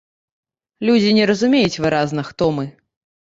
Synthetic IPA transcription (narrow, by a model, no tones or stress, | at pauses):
lʲud͡zʲinʲɛɾɐzumʲejut͡sʲvɨɾaznɐxt̪ɔmɨ